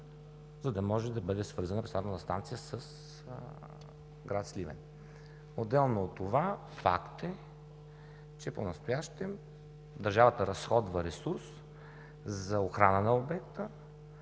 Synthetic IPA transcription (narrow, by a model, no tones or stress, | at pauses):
zɐd̪ɐmɔʒɛd̪ɐbɤd̪ɛsvɤɾzɐnəpɾɛsaɾnonɐst̪a̰nt̪sijəsəs | ɡɾat̪slʲivɛ̰n | od̪ːɛlˠnot̪ːova | fa̰kt̪ɛ | t͡ʃɛponɐst̪ojaʃt̪ɛm | d̪ɐɾʒavət̪əɾɐsxɔd̪vəɾɛsuɾs | zɐoxɾanənɐobɛkt̪ə